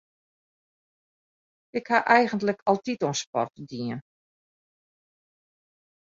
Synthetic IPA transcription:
ɪkhaʔɛjɣəntləkʰɑlˠtitɔnspɔ̰rtədiən

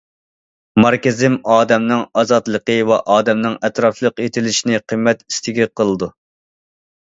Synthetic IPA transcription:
mɑɾkʲɪzɪmɑːd̪ɛmnɨŋɑzɑt̪lˠəqəwɛʔɑːd̪ɛmnɨŋɛt̪ɾɑflˠəqet̪ʰɪlɪʃinɪqʰəmːɛt̪i̥st̪ʰɪɡʲɛqʰəlˠɨd̪u

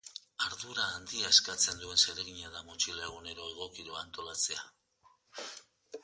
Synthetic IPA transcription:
aɾðuɾaːnd̪iaeskat͡se̞nd̪ue̞nse̞ɾeɣiɲaðamot͡ʃilaeɣ̞une̞ɾo̞e̞ɣ̞o̞kiɾoant̪o̞lat͡se̞a

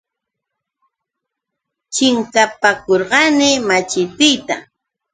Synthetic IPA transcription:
t͡ʃɪŋkapakoɾɢɑnɪmat͡ʃɪt̪ɪjt̪a

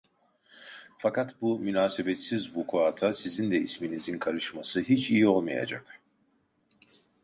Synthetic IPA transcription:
fakat̪bumynaːsebɛt̪sizbukʰoat̪ʰasizind̪ɛisminizinkʰaɾɯʃmasɯɦit͡ʃʰijio̞lˠmaja̰d͡ʒa̰k

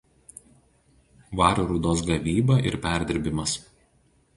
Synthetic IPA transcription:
ʋɑːɾʲuɾuːd̪oːs̬ɡɐʋʲiːbɐʔɪɾpʲæˑɾʲd̪ʲɪɾʲbʲɪmɐs

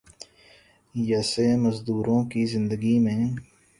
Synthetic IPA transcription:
jɐseːməzd̪uːɾõkizɪ̃nd̪əɡimẽː

